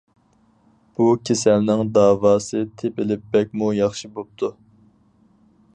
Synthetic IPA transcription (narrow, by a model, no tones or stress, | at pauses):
b̥ukʲʰesælnɪŋd̪ɑːwɑːsɨt̪ʰepɪlɪp̚bɛk̚ʲmujɑχʃibop̚t̪ʰu